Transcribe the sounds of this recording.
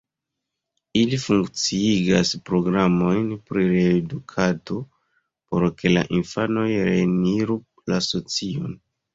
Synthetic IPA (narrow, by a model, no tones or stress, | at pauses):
ilifuŋkt͡siiɡaspɾo̞ɡɾamo̞jnpɾiɾe̞dukʰado̞ | po̞ɾke̞la̰ʔinfano̞jɾe̞niɾu | laso̞t͡sio̞n